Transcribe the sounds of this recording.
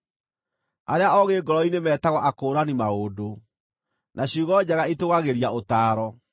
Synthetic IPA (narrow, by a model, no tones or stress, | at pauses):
aɾeaɔɣeːɡɔɾɔinemɛːtaɣwɔʔakoːɾanimaodo | nʔaɕuɣɔd͡ʑaɣaitoɣaɣeɾiaotaːɾɔ